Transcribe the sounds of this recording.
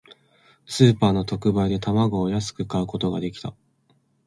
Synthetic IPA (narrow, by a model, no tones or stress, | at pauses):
sɨːpaːno̞t̪o̞kɯ̟baid̪e̞t̪amaɡo̞ːjasɨ̥kɯ̟kaɯ̟ko̞t̪o̞ɡad̪e̞kʲi̥t̪a